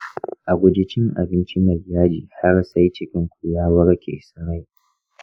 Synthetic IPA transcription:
ʔa˨ɡʷʊ˨d͡ʒɪ˦t͡ʃɪ˦ŋʔa̰˨bɪ˦nt͡ʃi˦mɐ˨zjaː˦d͡ʒiː˨ha˦rsa˦jt͡ʃɪ˦kʲɪ˦ŋkʷu˨jaː˦wɐ˦ɽkʲʰḛː˨sɐ˨ɽa˦j

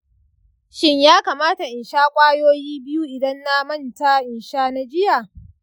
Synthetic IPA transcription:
ʃɪ˦ɲjaː˦kaː˨maː˦ta˨ʔɪ˨nʃaː˦kʷʼaː˦joː˦jiː˦bɪ˦ju˦ʔɪ˨dɐ˦nːa˦mɐ˦˨nta˦ʔɪ˨nʃaː˦na˦d͡ʒɪ˦ja˨

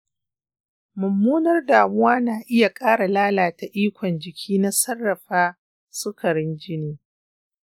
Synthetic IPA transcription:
mʊ˨mːuː˦nɐ˦rdaː˨mʊ˦waː˦naː˨ʔɪ˦ja˨kʼaː˦ɽa˨laː˦laː˨ta˨ʔiː˦kʷɔ˨nd͡ʒɪ˨kʲʰiː˦na˦sɐ˦rːɐ˨ɸaː˦ | sʊ˦kʰɐ˨ɽɪ˦nd͡ʒɪ˦niː˦

